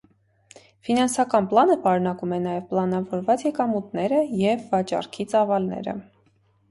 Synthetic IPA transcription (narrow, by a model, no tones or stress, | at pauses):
finɑnsɑkɑnplɑnəpɑɾunɑkumɛnɑjɛvplɑnɑvɔɾvɑt͡sjɛkɑmut̪nɛɾəjɛvːɑt͡ʃɑ̰ɾkʰit͡sɑvɑlnɛ̰ɾə̰